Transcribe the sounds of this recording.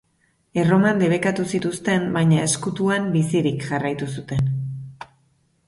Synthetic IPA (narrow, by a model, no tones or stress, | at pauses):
e̞ro̞mand̪e̞β̞e̞kat̪usit̪ust̪e̞mbajɲae̞skut̪uambisiɾikʝarajt̪usut̪e̞n